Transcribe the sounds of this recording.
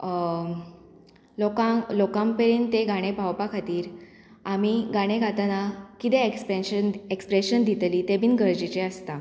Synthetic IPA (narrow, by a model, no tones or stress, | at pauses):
lɔkalɔkãmpəɾiːnt̪eɡaɽ̃epawpakʰat̪iːɾ | amiɡaɽ̃eɡʱat̪anakit̪eənekspɾeɕənd̪ʱit̪liːt̪ebʱiːnɡʱəɾd͡ʑit͡ɕeəst̪a